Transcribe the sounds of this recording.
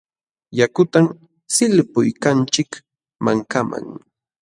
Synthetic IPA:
jakʊt̪am | sɪlpʊjkant͡ʃɪk | maŋkama̰ŋ

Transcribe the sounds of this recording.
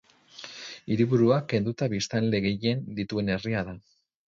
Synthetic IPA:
iɾiβuɾuakːe̞nd̪ut̪aβist̪ald̪e̞ɣe̞je̞nd̪it̪ue̞ne̞riaða

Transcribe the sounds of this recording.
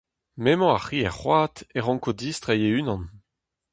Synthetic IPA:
memɔ̃aχiːɛ̰ʁχwaːt̪ɛʁɑ̃ŋkod̪iːst̪ʁejeynɑ̃n

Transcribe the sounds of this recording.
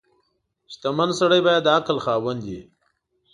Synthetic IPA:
ʃt̪amənsɐɽəjbaːjad̪akəlxaːwənd̪ḭ

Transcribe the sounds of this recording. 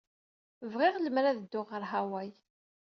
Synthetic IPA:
vʁɪʁləmɾæðəd̪ːʊʁəɾɦæwæj

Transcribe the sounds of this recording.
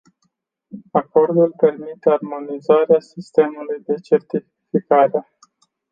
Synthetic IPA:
ako̞rd̪ulpe̞rmit̪earmo̞nizaɾeasist̪e̞mulujd̪e̞t͡ʃe̞rt̪i | fikaɾe

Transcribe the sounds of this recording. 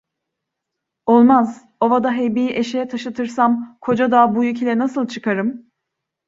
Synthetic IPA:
olˠmaz | o̞vad̪aɦejbijiʔe̞ʃejɛt̪ʰaʃɯt̪ʰɯɾsamkʰo̞d͡ʒad̪aːbujycʲʰelʲɛnasɯlˠt͡ʃʰɯkʰaɾɯm

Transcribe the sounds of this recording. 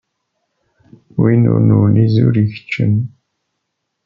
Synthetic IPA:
winṵɾnunizṵɾiç̥t͡ʃːən

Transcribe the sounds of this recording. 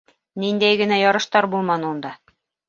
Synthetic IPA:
nind̪æjɡɘ̆næjɑɾɤ̆ʃt̪ɑɾbulˠmɑnund̪ɑ

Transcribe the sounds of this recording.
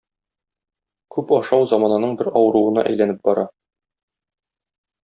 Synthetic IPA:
kʉpɒʃɑwzɒmɑnɑnɤɴbɘɾɒwɤ̆ɾuɤ̆nɑ̰ʔæ̰jlænɘp̚bɒɾɑ

